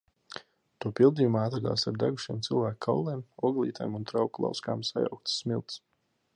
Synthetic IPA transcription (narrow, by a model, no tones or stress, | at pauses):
t̪uɔpilˠd̪ijumaat̪ɾaɡ̪a̰ːsaɾd̪aɡuʃiɛːmt̪sɨlˠvæːkkʰawlˠɛmɔɡlˠḭːt̪a̰jmunt̪ɾawklˠa̰wska̰ːmsaja̰wk̚t̪sːmilˠt̪s